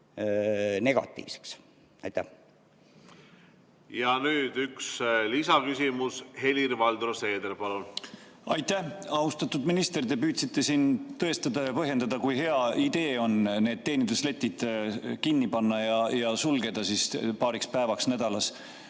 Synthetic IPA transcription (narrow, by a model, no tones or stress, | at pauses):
ne̞ɡ̥ɑ̰t̪ːˑḭːvse̥ks | ɑ̰jt̪ːæ | jɑnyːd̪̥ykslisɑkysʲimushe̞liɾvɑld̪rose̞ːd̪elpɑlunɑjt̪æhɑust̪ɑt̪ːˑud̪minist̪e̞ɾd̪e̞pyːd̪sit̪ːˑe̞sint̪ɤ̞e̞st̪ɑd̪̥ɑjɑpɤɦje̞nd̪̥ɑd̪̥ɑkujɦe̞ɑid̪e̞ːo̞nne̞ːd̪̚t̪ːe̞ːnid̪̥usle̞t̪ʲːid̪̥kinːipɑnːɑjɑjɑsulɡe̞d̪̥ɑsiːspɑːɾikspæevɑksnæd̪̥ɑlɑs